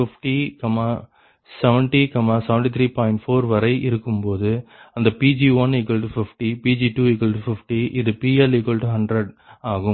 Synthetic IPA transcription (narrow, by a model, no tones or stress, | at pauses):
ɪfʈikɐmaː | sɛʋɛɳʈikɐmaːsɛʋɛɳʈit̪ʰɾiːpaːɪɳʈfoːɾʋɐɾɐɪʔɪɾɯkːɯmpoːðɯɐnd̪ɐpiːd͡ʒiʋɐnikːɐlʈufɪfʈipiːd͡ʒiʈuːikːɐlʈufɪfʈiʔɪðɯpiːɐlɪkɐlʈuɦɐɳɖɾɐɖ | aːɣɯ